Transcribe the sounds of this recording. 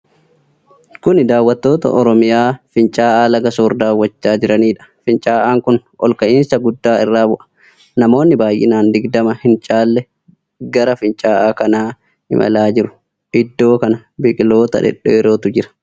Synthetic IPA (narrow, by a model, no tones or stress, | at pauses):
kʊnɪd̪aːwːɐt̪ːo̞ːt̪ɐ̰ʔɔɾɔmɪjaːfɪnt͡ʃʼaːʔaːlɐɡɐsoːɾd̪aːwːɐt͡ʃːaːd͡ʒɪɾɐniːᶑɐ̥fɪnt͡ʃʼaːʔaːŋkʊnʔɔ̰lkɐʔɪnsɐɡʊd̪ːaːɪrːaːbʊʔɐ̥ | nɐmo̞ːnːɪbaːjʔɪ̰naːnd̪ɪɡd̪ɐmɐhɪnt͡ʃʼaːlːɛ | ɡɐɾɐfɪnt͡ʃʼaːʔaːkɐnaː | hɪ̰mʔɐ̰laːd͡ʒɪɾʊ̥ | ʔɪd̪ːo̞ːkɐnɐbɪkʼɪlo̞ːt̪ɐ̰ᶑɛ̰ᶑɛɛɾoːt̪ʊd͡ʒɪɾɐ̥